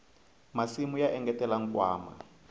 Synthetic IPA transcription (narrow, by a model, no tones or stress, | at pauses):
masimujaʔɛŋɡɛtɛlaŋ̩kwa̰ːma̰